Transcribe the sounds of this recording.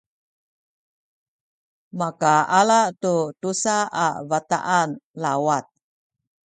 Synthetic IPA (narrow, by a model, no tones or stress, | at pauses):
makaalatutusaavat̪a̰ʔanlawat̪̚